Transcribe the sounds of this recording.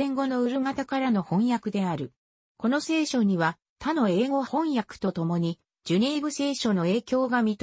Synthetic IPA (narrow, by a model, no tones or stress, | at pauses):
ẽ̞ŋɡo̞no̞ɯ̟ɾɯ̟ŋat̪akaɾano̞hõ̞ɰ̃jakɯ̟d̪e̞aɾɯ̟ | ko̞no̞se̞ːɕo̞ɲ̟iβa | t̪ano̞e̞ːɡo̞hõ̞ɰ̃jakɯ̟̥t̪o̞t̪o̞mo̞ɲ̟i | d͡ʑɯnʲeːbɯ̟se̞ːɕo̞no̞e̞ːkʲo̞ːɡamʲit̪